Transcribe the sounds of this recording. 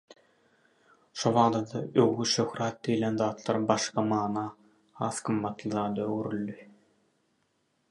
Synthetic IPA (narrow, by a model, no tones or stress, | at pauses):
ʃoβɑːd̪ɑd̪ɑøwːyʃøxɾɑːt̪̚d̪ijlenðɑːt̪ʰlˠɑɾbɑʃqɑmɑːnɑː | hɑːθqɯmːɑt̪lˠɯðɑːd̪ɑøɡyɾylːy